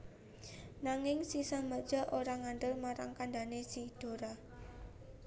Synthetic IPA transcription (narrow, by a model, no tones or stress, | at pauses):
naŋɪŋsisamḁd͡ʒ̥a̤ʔoɾaŋaɳɖ̪əlmaɾa̰ŋkandanesid̥o̤ɾa